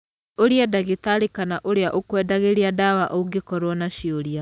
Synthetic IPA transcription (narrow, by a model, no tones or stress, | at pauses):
oɾeɛdaɣetaɾikanaʔoɾeaʔokwɛːdaɣeɾeadawaʔɔuɡekɔɾwɔnaɕioɾia